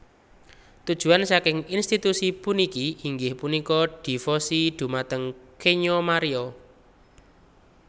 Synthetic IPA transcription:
t̪ud̥ʒ̥ṳansakɪŋinst̪it̪usipunikiiŋɡɪhpunikɔɖ̥i̤fɔsiɖ̪̥ṳmat̪əŋkʰeɲomaɾiɔ

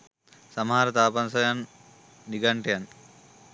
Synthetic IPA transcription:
sɐmɦaːɾɐt̪aːpɐnsɐjanː | iɡɐɳʈjɐn

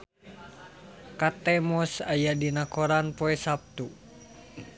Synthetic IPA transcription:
kat̪ɛmɔsajadinakoɾanpoɛsap̚t̪u

